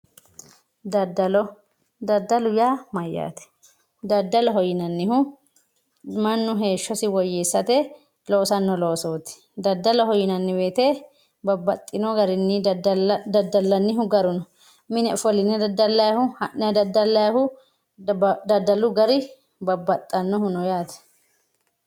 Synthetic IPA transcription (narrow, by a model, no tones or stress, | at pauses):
d̪ɐd̪ːɐlʊjaːmɐjːa̰ːt̪ɛ̥ | d̪ɐd̪ːɐlɔɦɔjɪnɐnːɪhʊ | mɐnːʊɦeːʃːɔsɪwɔjːeːsːɐt̪ɛ | loːsɐnːɔloːsoːt̪ɪ̥ | d̪ɐd̪ːɐlɔɦɔjɪnɐnːɪweːt̪e | bɐbːɐt̪ʼːɪnɔɡɐɾɪnːi | d̪ɐd̪ːɐlːɐnːɪɦʊɡɐɾʊnɔ | mɪnɛɔfɔlɪnːɛdɐd̪ːɐlːɐjɐhʊhɐʔɛd̪ɐd̪ːɐlːɐjɐhʊ | d̪ɐd̪ɐlʊɡɐɾɪ | bɐbːɐt̪ʼːɐnːɔhʊnɔjaːt̪ɛ̥